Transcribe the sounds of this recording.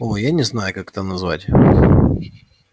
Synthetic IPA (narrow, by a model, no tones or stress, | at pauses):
ojanʲɪznajʊkakɛ̥t̪ənɐzva̰tʲ